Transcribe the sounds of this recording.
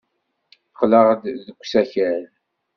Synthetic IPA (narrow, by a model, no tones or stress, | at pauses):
qːləʁðəkʷːsæçæɾ